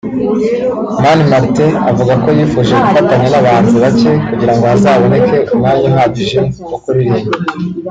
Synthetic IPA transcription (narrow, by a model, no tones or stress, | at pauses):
manimaɾtea̰vuɡako̞jiːfuːʒe̞ɡufataɲenaβaːnziβace̞kuɟiɾaŋɡo̞hazaːβo̞ne̞ke̞umŋanwaɦaβiʒe̞kokuɾiɾe